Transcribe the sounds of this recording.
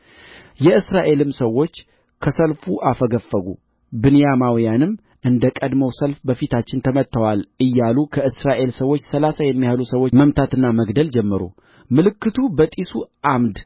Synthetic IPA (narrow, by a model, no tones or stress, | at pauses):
jɛɨsɾaʔe̞lɨmsəwːo̞t͡ʃː | kʰəsəlfuʔafəɡəfːəɡṵ | bɨnɨjamawijanɨmː | ʔɨnd̪əkʼəd̪məwsəlfbəfit̪ʰat͡ʃːɪnt̪ʰəmət̪ːəwalɨjːalukʰəʔɨsɾaʔe̞lsəwo̞t͡ʃːsəlasajɛmːijhalusəwoməmt̪ʰat̪ɨnːaməɡd̪əld͡ʒɛmːɨɾṵ | mɨlɨkːɨt̪ʰubət̪ʼisuʔamd̪